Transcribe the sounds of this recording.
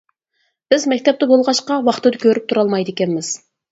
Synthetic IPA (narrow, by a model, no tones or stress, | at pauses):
b̥ɪzmɛkʲt̪ɛp̚t̪ɛbolˠʁɑʃqɑwɑχt̪ɨd̪ɑkʲʰøɾyp̚t̪ʰuɾɑlˠmɑjd̪ɪkʲɛnmɪz̥